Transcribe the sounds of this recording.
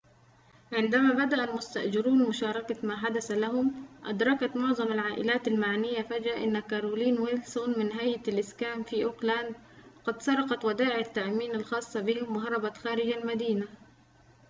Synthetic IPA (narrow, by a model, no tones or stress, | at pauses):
ʕɪnd̪amaːbad̪aʔalmʊst̪aʔd͡ʒɪɾuːnmʊʃɑːɾˤɑkamaːħad̪asalaɦʊmʔa̰d̪ɾˤɑkat̪mʊʕðˤɑmalʕaːʔɪlaːt̪almaʕnɪjːafad͡ʒaʔɪnːakaɾuːliːnwɪlsonmɪnɦajalʔɪskaːmfiːʔʊklaːnd̪qɑd̪sɑɾˤɑqɑt̪wad̪aːʕɪʕat̪ːaʕmiːnalxɑːsˤːɑbɪhɪmwɪɦɑɾˤɑbaxaːɾɪd͡ʒalmad̪iːna